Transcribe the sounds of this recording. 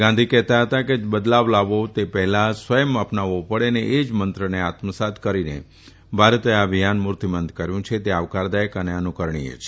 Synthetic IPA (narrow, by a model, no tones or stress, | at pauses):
ɡãnd̪ʱikɛɦt̪aɦət̪aked͡ʒbəd̪laʋlaʋot̪epɛɦlasʋəjəməpnaʋopəɽeneʔed͡ʒmənt̪ɾəneat̪məsat̪kəɾinḛ | bʱaɾt̪eaəbʱijanmʊɾt̪imənd̪kəɾjũt͡ʃʰet̪eaʋkaɾd̪ajəkəneənukəɾɳ̃ḭḛt͡ʃʰ